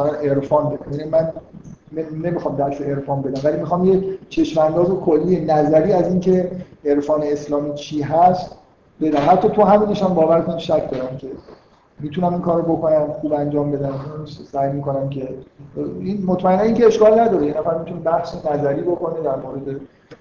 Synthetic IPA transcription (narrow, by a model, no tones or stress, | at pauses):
aɾæne̞ɾfɒːnbed̪æmjænimænː | nemixɒːmd̪æʃoe̞ɾfɒːnbe̞d̪æmvælimixɒːmject͡ʃʰe̞ʃmænd̪ɒːzekʰolːienæzæɾiːæziːncʰe̞eɾfɒːne̞eslɒːmiːt͡ʃʰiːɦæst̪ | be̞d̪æmhæt̪ʰːɒːt̪ʰoɦæmiːne̞ʃæmbɒːvæɾk̪ʰoniʃæcʰd̪ɒːɾæmcʰe̞ | miːt̪ʰunæminkʰɒːɾoboko̞næmxuːbænd͡ʒɒːmbe̞d̪æmunsæjmiko̞næmcʰe̞ | inmo̞t̪ʰmæenːæniːŋcʲeeʃkɒːlnæd̪ɒːɾejenæfæɾmit̪unebæhsenæzæɾiːboko̞ned̪æɾmoːɾe̞d̪e̞